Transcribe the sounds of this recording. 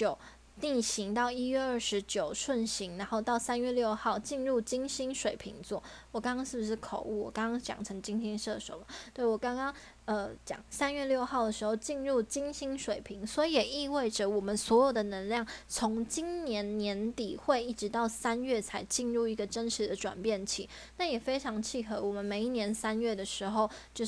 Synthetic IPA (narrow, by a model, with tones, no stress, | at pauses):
t͡ɕjo˨˩ʊ | ni˥˩ɕi˧˥ŋt̪ɑ˥˩ʊi˥ɥɛ˥˧ə˥˩ʂɻ̩˧˥t͡ɕjo˨˩ʊʂwə˥˩nɕi˧˥ŋɻa˧˦nxo˥˧ʊt̪ɑ˥˩ʊsa˥nɥɛ˥˧ljo˥˧ʊxɑ˥˩ʊt͡ɕi˥˧nɻu˥˩t͡ɕi˥ŋɕi˥ŋʂwe˨˩ɪpʰḭ˧˥ŋt͡swɔ˥˩wɔ˨˩kɑ˥ŋkɑ˥ŋʂɻ̩˥˩bu˧˩ʂɻ̩˥˩kʰo˨˩ʊu˥˩wɔ̰˨˩kɑ˥ŋkɑ˥ŋt͡ɕjɑ̰˨˩ŋʈ͡ʂʰɤ˧˥ŋt͡ɕi˥ŋɕi˥ŋʂɤ˥˩d̪ə˨˩ʂo̰˨˧˥ʊba˨˩t̪we˥˩ɪwɔ˨˩kɑ˥ŋkɑ˥ŋ | ə˧˩t͡ɕjɑ̰˨˩˦ŋsa˥nɥɛ˥˧ljo˥˧ʊxɑ˥˩ʊd̪ə˩ʂɻ̩˧˥xo˥˧ʊt͡ɕi˥˧nɻu˥˩t͡ɕi˥ŋɕi˥ŋʂwe˨˩ɪpʰi˧˥ŋswɔ˧˥i˧˥jɛ˨˩i˥˧we˥˩ɪʈ͡ʂə˨wɔ˨˩mə˨˦nswɔ˧˥jo˨˩ʊd̪ə˩nə˧˥nljɑ˥˩ŋt͡sʰʊ˧˥ŋt͡ɕi˥nnjɛ˧˦˥nnjɛ˧˥nt̪i˨˩xwe˥˧ɪi˥˩ʈ͡ʂɻ̩˧t̪ɑ˥˩ʊsa˥nɥɛ˥˩t͡sʰa˧˥ɪt͡ɕi˥˧nɻu˥˩i˧˥ɡə˨ʈ͡ʂə˥nʈ͡ʂ̩ʰ˨˧d̪ə˧ʈ͡ʂwa̰˨˩npjɛ˥˩nt͡ɕʰi˨˩˦ | na˥˩jɛ˨˩fe˥ɪʈ͡ʂʰɑ˧˥ŋt͡ɕʰi˥˩xɤ˧˥˦wɔ˨˩mə˨˦nme˨˩ɪi˥˩njɛ˧˦nsa˥nɥɛ˥˩d̪ə˩ʂɻ̩˧˥xo˥˩ʊt͡ɕjo˥˧ʊ